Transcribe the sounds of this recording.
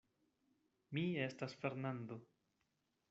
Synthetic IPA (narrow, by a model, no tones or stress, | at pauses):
mie̞stasfe̞ɾnand̪o̞